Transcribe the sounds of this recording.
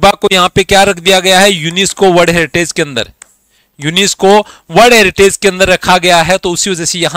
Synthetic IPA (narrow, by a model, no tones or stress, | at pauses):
bakojɐɦãpekjaːɾɐkʰd̪ijaɡɐjaɦɛjuːnɪskoʋɐɾɽɦɛːɾɪʈeːd͡ʒkeɐ̃nd̪ə̰ɾ | juːnɪskoʋɐɾɖɦɛːɾɪʈeːd͡ʒkeɐ̃nd̪əɾːɐkʰaɡɐjaɦɛt̪oʊsiʋɐd͡ʒɛsejɐɦã